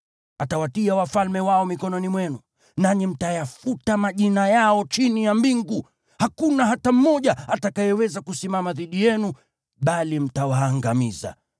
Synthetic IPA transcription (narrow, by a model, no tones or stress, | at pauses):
atawatiawafalmɛwaɔmikɔnɔnimwɛnu | naɲim̩tajafutamaʄinajaɔt͡ʃinijambiŋɡu | hakunaɦatam̩mːɔʄaatakajɛwɛzakusimamaðiɗijɛnu | ɓalim̩tawaːŋɡamiza̰